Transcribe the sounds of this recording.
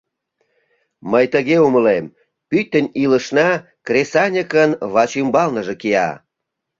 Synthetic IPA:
məjt̪əɣeuməlem | pyt̪ːənʲiləʃnɑ | krʲesɑnʲəkənβɑt͡ɕymbɑlnəʒekiɑ̰

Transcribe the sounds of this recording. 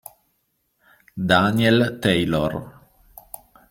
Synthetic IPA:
d̪anielt̪ejlo̰r

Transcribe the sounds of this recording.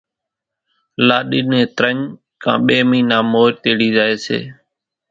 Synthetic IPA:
laːɗiːnẽːt̪ɾəɲ | kʰã̰ːɓeːmĩːnaːmoːɾt̪eːɽiːzaːeːsḛː

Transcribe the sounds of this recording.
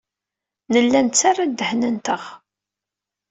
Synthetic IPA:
nəlːænt͡sːarˤad̪əhnənt̪əʁ

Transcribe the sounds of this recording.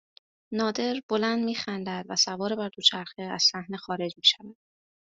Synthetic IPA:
nɒːd̪e̞ɾb̥o̞lænd̪miːxænd̪æd̪̥væsævɒːɾebæɾd̪ot͡ʃʰæɾxeæz̥sæhnexɒːɾe̞d͡ʒmiːʃævæd̪̥

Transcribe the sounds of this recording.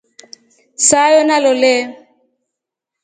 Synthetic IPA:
sajɔnalole

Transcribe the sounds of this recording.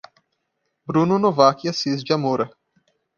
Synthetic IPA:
bɾununovaːkijɐsizd͡ʒɐmoːɾɐ

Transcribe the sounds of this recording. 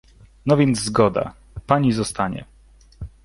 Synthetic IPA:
nɔvʲjɛnd̪zzɡɔd̪a̰ | paɲizɔst̪aɲɛ̰

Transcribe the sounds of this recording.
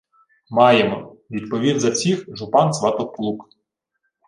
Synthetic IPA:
mɑjemɔ | ʋʲid̪pɔʋʲid̪zɐwsʲixʒʊpɑnsʋɑt̪ɔkplˠuk

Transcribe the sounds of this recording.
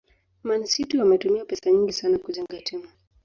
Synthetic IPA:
mansituwamɛtumiapɛsaɲiŋɡisanakuʄaŋɡatʰɛma

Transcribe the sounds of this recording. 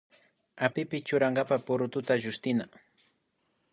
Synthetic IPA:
apɪpɪt͡ʃʊɾaŋɡapapʊɾʊt̪ʊt̪aʒʊst̪ɪna

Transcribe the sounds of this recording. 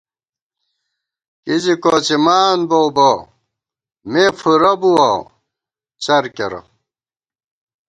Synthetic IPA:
kid͡ʑikoːt͡ɕimaːnbowbo | mefuɾɐbuwa | t͡ɕɐɾkeɾɐ̰

